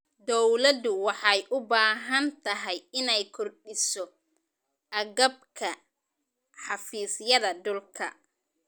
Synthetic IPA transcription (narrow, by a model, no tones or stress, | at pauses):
d̪ɔwlɐd̪ʊwɑħɑjʔʊbaːɦɐnt̪ʰɐɦɛjɪnɛjkʰɔrɗɪsɔ | ʔɐɣɐb̚kʰɐ | ħɑfiːsjɐðɐd̪ʊlkʰɐ